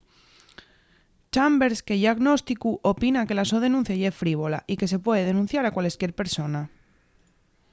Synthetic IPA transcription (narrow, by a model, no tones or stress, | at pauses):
t͡ʃambe̞ɾske̞ðiaɣno̞st̪ikuʔo̞pinake̞laso̞ð̞e̞nũn̟θjaʝefɾiβ̞o̞laʔike̞se̞pwe̞ðe̞ð̞e̞nũn̟θjaɾakwale̞skje̞ɾpe̞ɾso̞na